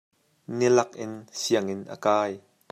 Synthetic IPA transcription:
nilɐk̚ʔɪnsiəŋɪnʔə̰kaːj

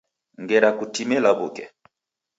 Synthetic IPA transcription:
ŋɡɛɾakutimɛlaβukɛ

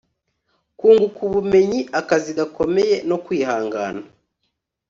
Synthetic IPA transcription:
kuːŋɡukuβume̞ɲiʔakaziɡako̞me̞je̞no̞kwiːhaːŋɡa̰ːna

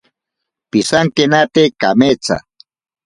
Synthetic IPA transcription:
pisaŋkenat̪ekamet͡sa̰

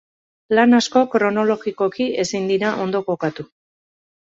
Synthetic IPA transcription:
lanasko̞kɾo̞no̞lo̞ɣiko̞kie̞sind̪iɾaʔo̞nd̪o̞ko̞kat̪u

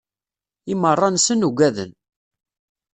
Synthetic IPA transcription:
imərˤːɑnsənuɡʷæðə̰n

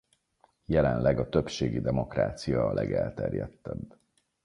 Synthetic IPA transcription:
jɛlɛnlɛɡɒt̪ø̞pʃeːɡid̪ɛmo̞kraːt̪sijɒːlʔɛɡɛlt̪ɛrjɛt̪ːɛb

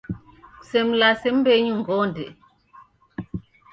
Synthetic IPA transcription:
sɛmlasɛmbɛɲuŋɡɔːndɛ̰

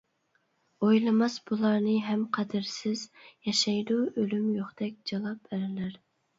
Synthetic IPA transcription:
ojlˠɨmɑsbulˠɑɾnɨɦɛmqʰɑd̪ɪɾsɪzjɑʃɑjd̪uølymjoχd̪̥ɛkʲd͡ʒɑlˠɑp̚bæɾɪlæɾ

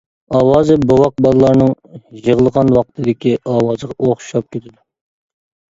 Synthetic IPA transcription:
ɑwɑːzɨbowɑq̚bɑlˠəlˠɑɾnɨŋjəʁlˠəʁɑnwɑqt̪ʰɨd̪ɪkʲiʔɑwɑːzəʁɑʔoχʃʃɑp̚kʲet̪ʰɪd̪u

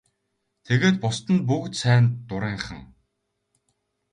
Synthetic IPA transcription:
t̪ʰeɣeːt̪̚pʊst̪ə̆np̬ukt̪sæːnt̪ːʊɾiːŋχə̰̆ŋ

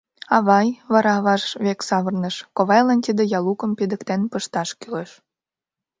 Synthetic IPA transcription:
ɑβɑjβɑɾɑβɑʃβeksɑβərnəʃkoβɑjlɑnt̪id̪ejɑlukə̆mpid̪əkt̪enpəʃt̪ɑʃkyleʃ

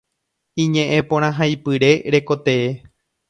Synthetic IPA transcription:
ĩɲẽʔẽpõɾ̃ãɦajpɨɾe̞ɾe̞ko̞t̪e̞e

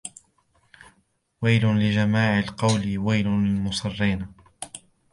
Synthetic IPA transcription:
wajlʊlɪd͡ʒamaːʕalqɑwlɪwajlʊlmʊsˤɑrːiːn

